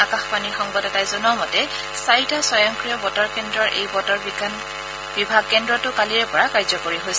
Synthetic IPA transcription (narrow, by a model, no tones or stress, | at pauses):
akaxpaniɹxɔŋbɔtɛtajzɔnɔmɔtɛ | sajtasɔjɔŋkɹijɔbɔtɔɹkɛndɹɔɹʔḛjbɔtɔɹiɡan | b̥ibʱaɡ̚kɛndɹɔtʊkaliɹɛpɔɹakaɹzɔkoɹiɦojsɛ